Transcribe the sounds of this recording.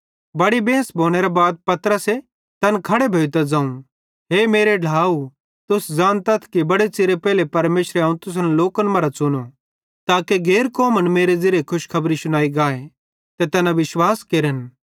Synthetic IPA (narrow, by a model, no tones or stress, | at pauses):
bɐɽibẽːsbʱoːɽ̃eɾabaːd̪̚pɐt̪ɾəse | t̪ɐnkʰɐɽebʱeːt̪ɐd͡zãːũ | ɦeːmeːɾeɖʱaːu | t̪ʊsd͡zãːnt̪ɐt̪ʰkibɐɽet͡sɪɾepɛːlepɐɾmeːʃɾeaːũt̪ʊs̬ənloːkənmɐɾat͡sʊno | t̪aːkeɡeːɾkɔːmənmeːɾed͡zɪɾekʰʊʃkʰɐbɾisʊɽ̃aːiɡaːe | t̪et̪ɐnaʋɪʃwaːskeːɾən